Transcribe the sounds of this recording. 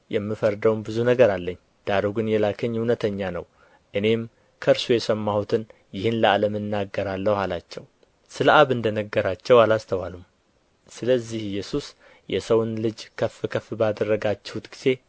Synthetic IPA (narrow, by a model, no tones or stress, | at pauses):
jɛmːɨfəɾd̪əwnbɨzunəɡəɾalːəɲː | d̪̥aɾoɡɨnjɛlakʰəɲːuwnət̪ʰəɲːanə̰w | ʔɨne̞m | kʰəɾsujɛsəmːahut̪ʰɨn | jɪhɨnləaləmɨnːaɡːəɾalːəhhalat͡ʃːɛw | sɨlʔaβɨnd̪ənəɡːəɾat͡ʃːɛwalast̪ʰəwalum | sɨləzːihɪjːɛsus | jɛsəwnlɨd͡ʒkʰəfɨkʰəfbəad̪ərːəɡat͡ʃːɪhut̪ɡ̥iz̥e̞